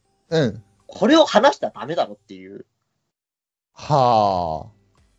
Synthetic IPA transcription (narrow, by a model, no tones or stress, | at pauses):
ɯ̟̃ɴ | kʰo̞ɾe̞o̞hanaɕi̥t̪ad̪ame̞d̪aɾo̞t̪ːe̞jɯ̟̰ː | ha